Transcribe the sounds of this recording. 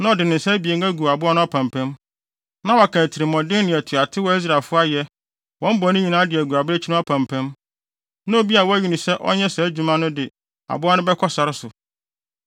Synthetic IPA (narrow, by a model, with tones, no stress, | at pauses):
nã˦ɔ˨dɪ˨nɪ̃˨n̩˨sɛ˦bi˨e˨ŋæ˦ɡu˨a˨bʊ˦a˦nʊ̃˦a˦pʰã˨mpʰɛ̃˦m | nã˦wa˨kʰã˨tʰi˨ɾɪ˨mɔ̃˨dɪ˦n˦nɪ̃˨æ˨tʰu˨a˨tʰɪ˦wɔ˦i˦s̬ɾa˨e˨fʊ˦a˦jɛ˦ | wɔ̃˦m̩˦bɔ˨˦nʊ̃˦ɲĩ˨nãː˨˦dɪ˨æ˨ɡu˨a˨bɾe˦t͡ɕʰi˦nã˦a˦pʰæ̃˨mpʰɛ̃˦m | nʊ̃˦o˨bi˦a˨wɔ˦æ˦ɥi˨nʊ̃˨sɛ˦ʔɔ̰˦ɲɛ̃˦sɛ˨˦d͡ʑu˨mã˦nʊ̃˦dɪ˨ | a̰˨bʊ˦a˦nʊ̃˦bɛ˦kʰɔ˦sa˨ɾɪ˦sʊ˨